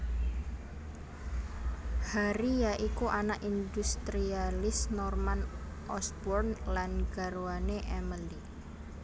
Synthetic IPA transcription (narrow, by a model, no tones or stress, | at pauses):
haɾijaʔikuʔanaʔind̪ust̪ɾialɪsnɔrman | ʔɔsbɔrnlanɡaɾuaneʔɛməli